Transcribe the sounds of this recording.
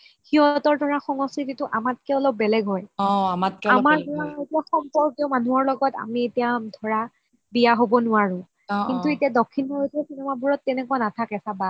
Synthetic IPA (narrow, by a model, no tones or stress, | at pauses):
xiɦɔtɔɹdɔɹaxɔŋɔskititʊʔamat̚kɛɔlɔb̚bɛlɛɡɦɔjɔamat̚kamaɹaetiaxɔmpɔɹkijɔmanuɔɹlɔɡɔta̰mietijadʱɔɹa | bijaɦobɔnʊaɹʊ̃ | kintuetiadɔkʰːinɔɦojtʰɛsinɛmabuɹɔtːɛnɛkuanatʰakɛsaba